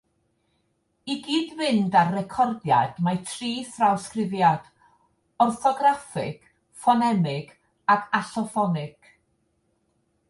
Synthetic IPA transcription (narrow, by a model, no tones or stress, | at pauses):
iɡiːdwɪndarːɛkʰɔrdja̰d̥matʰriːθrawskrɪvjad̥ | ɔrθɔɡrafɪ̰ɡ̥ | fɔnɛmɪɡ̥ | aɡaɬɔfɔnɪɡ̥